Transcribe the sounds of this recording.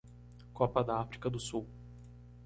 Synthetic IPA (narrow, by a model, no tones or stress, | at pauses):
kɔpɐd̪ɐafɾikɐd̪ʊsuw